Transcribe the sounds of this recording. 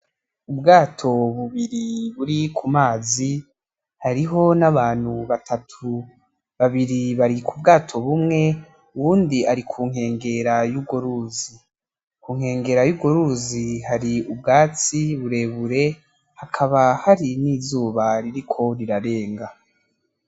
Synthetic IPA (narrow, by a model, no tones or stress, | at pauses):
ubɡaːtʰo̞βuβiɾiβuɾikʰumaːzi | haɾiɦo̞naβaːn̥huβatʰatʰu | βaβiɾiβaɾikʰub̚ɡaːtʰo̞βumŋe̞ | uβuːndiaɾikʰuːŋ̥he̞ːŋɡe̞ɾajuɡoɾuːzi | kuːŋ̥he̞ːŋɡe̞ɾajubɡoɾuzihaɾiubɡaːt͡siβuɾe̞βuɾe̞ | hakʰaβahaɾiniːzuːβaɾiɾikʰo̞ɾiɾaɾe̞ːŋɡa